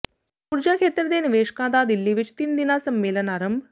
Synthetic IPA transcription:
ʊɾd͡ʒaːkʰeːt̪ɾəd̪eːnɪʋeːʃkãːd̪aːd̪ɪlːiːʋɪt͡ʃt̪ɪnd̪ɪnaːsəmːeːlənaːɾəmb

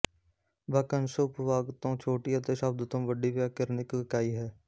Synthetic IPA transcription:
bəkənsəʊpʋaːɡt̪õːt͡ʃʰoːʈiːət̪eːsəb̚d̪t̪õːʋəɖiːʋjaːkəɾnɪkɪkaːiːɦɛː

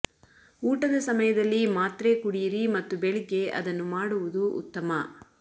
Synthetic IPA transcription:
uːʈɐd̪ɐsɐmɐjɐd̪ɐlːimaːt̪ɾekuɽijɾimɐt̪ːubeɭiɡeʔɐ̰d̪ɐnːumaːɽuʋud̪uʔṵt̪ːɐmɐ

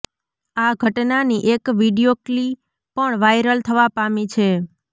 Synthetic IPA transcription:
aɡʱəʈnaniʔekʋiɖijokli | pəɳʋajɾəlt̪ʰəʋapamit͡ʃʰe

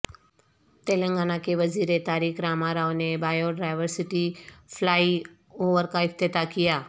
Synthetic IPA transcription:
t̪eːlə̃ŋɡaːnakeʋɐziːɾet̪aːɾiːxɾaːmaɾaːonebaːjoɖaːɪʋəɾsɪʈifʰlaːi | oːʋəɾkaɪft̪et̪akɪjaː

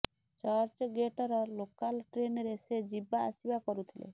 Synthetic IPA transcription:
t͡ʃaɾt͡ʃɔɡeʈɔɾɔlokalʈɾenɔɾesed͡ʒiba̰ːsibakɔɾut̪ʰilḛ

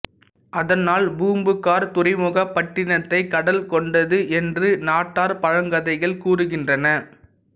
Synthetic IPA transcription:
ʔɐðɐnaːlbuːmbɯkːaːɾt̪ʊrɪmʊɣɐpːɐʈːɪnɐt̪ːɐɪkːɐɽɐlkɔɳɖɐðɯʔɛndrɯnaːʈːaːɾpɐɻɐŋɡɐðɐɪɣɐɭkuːrɯɣɪndrɐnɐ

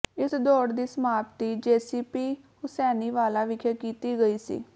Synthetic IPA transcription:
ɪsd̪oːɽd̪iːsəmaːpt̪iːd͡ʒeːsiːpiː | hʊsɛːniːʋaːlaːʋɪkʰekiːt̪iːɡəiːsḭː

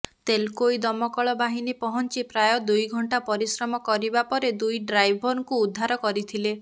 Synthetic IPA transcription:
t̪elkojd̪ɔmɔkɔɭɔbaɦinepɔɦɔnt͡ʃipɾajɔd̪ujɡʱɔɳʈapɔɾisɾɔmɔkɔɾibapɔɾed̪ujɖɾajbʱɔɾkuːd̪ʱːaɾɔkɔɾit̪ʰile

